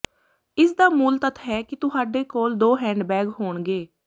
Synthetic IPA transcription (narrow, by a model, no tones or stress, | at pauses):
ɪsd̪aːmuːlt̪ət̪ʰɦɛːkɪt̪ʊɦaːɖeːkoːld̪oːɦɛ̃ːɳɖbɛːɡɦoːɳɡeː